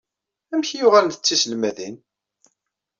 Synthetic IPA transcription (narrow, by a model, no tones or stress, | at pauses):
æmçjʊʁælnθət͡sːisəlmæðin